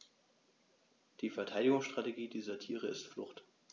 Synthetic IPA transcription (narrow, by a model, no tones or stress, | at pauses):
d̥iːfɛɐtʰaɪɾɪɡʊŋsʃtʁ̥ateɡiːdiːzɐtʰiːʁ̞əɪstflʊ̰χt